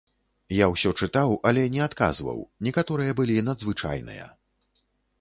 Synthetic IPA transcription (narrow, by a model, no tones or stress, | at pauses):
jawsʲɔt͡ʂɨt̪awɐlʲɛnʲɛat̪ka̰zvɐ̰wnʲɛkat̪ɔɾɨjɐbɨlʲinɐd̪zvɨt͡ʂa̰jnɨ̰jɐ̰